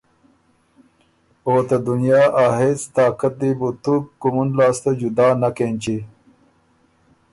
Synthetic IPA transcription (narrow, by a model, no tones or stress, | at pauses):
oːt̪ad̪unijaːʔaːɦet͡st̪aːkɐt̪̚d̪ibut̪ukːumunlaːst̪od͡ʑud̪aːnɐkent͡ɕi